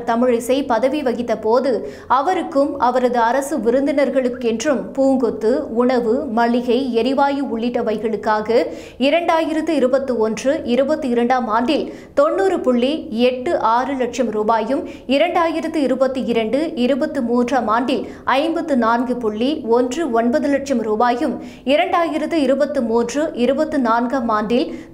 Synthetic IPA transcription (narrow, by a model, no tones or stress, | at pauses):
t̪ɐmɪɻɪsɐɪpɐðɐʋiʋɐɣɪt̪ːɐpoːðɯ | ɐʋɐɾɯkːɯmɐʋɐɾɐðɯɐɾɐsɯʋɪɾɯnd̪ɪnɐɾɣɐɭɯkːɛndrɯmpuːŋɡɔt̪ːɯʊɳɐʋɯmɐɭɪɣɐɪɛɾɪʋaːjɯʊɭːɪʈːɐʋɐɪɣɐɭɯkːaːɣɐ | ɪɾɐɳɖaːjɪɾɐt̪ːɯɪɾɯbɐt̪ːɯɔndrɯʔɪɾɯbɐt̪ːɯɪɾɐɳɖaːmaːɳɖɪl | t̪ɔnːuːrɯpʊɭːiɛʈːɯʔaːɾɯlɐʈ̚ʂɐmɾuːbaːjɯm | ɪɾɐɳɖaːjɪɾɐðɯɪɾɯbɐt̪ːɯɪɾɐɳɖɯɪɾɯbɐt̪ːɯmuːndraːmaːnɖɪl | ʔɐɪmbɐt̪ːɯnaːnɡɯpʊɭːiɔndrɯɔnbɐðɯlɐʈ̚t͡ʃɐmɾuːbaːjɯm | ɪɾɐɳɖaːjɪɾɐðɯɪɾɯbɐt̪ːɯmuːndrɯʔɪɾɯbɐt̪ːɯnaːnɡaːmaːnɖɪl